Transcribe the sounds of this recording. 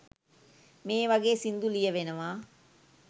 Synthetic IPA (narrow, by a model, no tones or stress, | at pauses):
meːʋaɡeːsind̪ulijəʋenəʋaː